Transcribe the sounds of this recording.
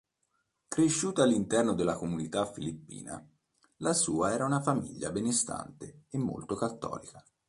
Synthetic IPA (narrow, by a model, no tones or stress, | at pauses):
kɾeʃːuːt̪aːlːint̪ɛrnod̪elːakomunit̪afːilipːḭːna̰ | lasuːaɛːɾaunafamḭʎːa̰benest̪a̰nt̪eemːo̰lt̪okat̪ːɔ̰ːlika